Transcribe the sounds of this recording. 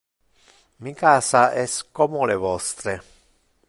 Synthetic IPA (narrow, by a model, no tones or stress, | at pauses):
mikaːsaʔɛskomulevɔst̪ɾe